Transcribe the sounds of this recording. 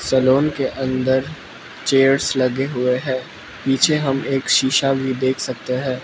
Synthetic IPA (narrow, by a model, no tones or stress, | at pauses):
səloːnkeʔɐ̃nd̪əɾ | t͡ʃeːəɾslɐɡeɦʊeɦɛ̃ː | piːt͡ʃʰeɦɐmeːkʃiːʃabʱid̪eːkʰsɐk̚t̪eɦɛ̃ː